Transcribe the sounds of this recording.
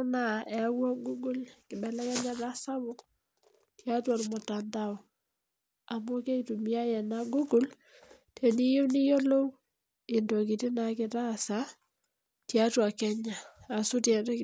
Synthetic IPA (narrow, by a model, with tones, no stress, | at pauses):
na˦˨ɛ˨˦wɔ˦ɡu˦ɡu˦lkɪ˨ɓɛ˨lɛ˦kɛ˦ɲa˦ta˦sa˦βʊ˦k | tja˦ta˨lmʊ˨tanda˦ɔ˨ | a˨mu˦ke˦itu˨mi˦a˦jɛ˨na˦ɡu˦ɡu˦l | tʰɛ˨ni˦jo˦ni˦jo˦lo˦w | ɪ˨ndo˨ki˨ti˦na˨kɪ˨ta˦sa˦ | tja˦twa˨kɛ˦ɲa˨a˨su˦tjɛ˨d